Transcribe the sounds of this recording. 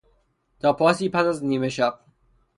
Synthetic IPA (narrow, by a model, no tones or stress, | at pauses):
t̪ʰɒːpʰɒːsiːpæsæzniːmeʃæq̚